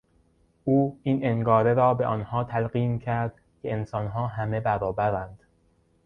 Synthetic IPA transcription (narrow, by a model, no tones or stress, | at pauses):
ʔuːiːnʔeŋɡɒːɾeɾɒːbeʔɒnhɒːt̪ʰælɢiːmcʰæɾd̪̥ | cʰeensɒnɦɒːɦæme̞bæɾɒːbæɾænd̪̥